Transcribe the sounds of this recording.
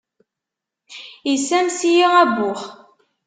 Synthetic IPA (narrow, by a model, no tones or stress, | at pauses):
jisæmsijiʁæbːʊχ